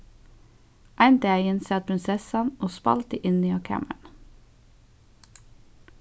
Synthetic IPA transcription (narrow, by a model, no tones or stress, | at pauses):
ʔæɪnt̪əæɪɪnsɛːt̪̚pʰɾɪnsɛsɑnʔoːspɑ̰lt̪əʔɪniːɑːkʰæ̰mə̰ɳ